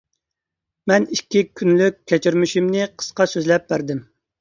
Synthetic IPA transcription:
mɛniʃkʲːikʲʰːynlykʲʰːɛt͡ʃʰiɾmyʃimnɪqʰə̥sqɑsøzlɛp̚bæɾd̪ɪm

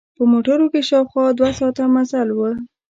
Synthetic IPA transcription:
pəmoʈəɾokeʃɑwxwɑd̪wasɑt̪amazalwə

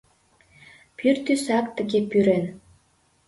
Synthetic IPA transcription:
pʰyrt̪ysɑkt̪ə̆ɣepyɾen

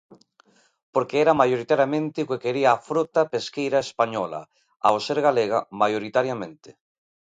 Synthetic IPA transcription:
poɾkeɛɾamajoɾit̪aɾjamẽnt̪eukekeɾiaːfɾot̪apeskejɾaespaɲɔla̰ | a̰wseɾɣaleɣamajoɾit̪aɾjamẽnt̪ɪ̥

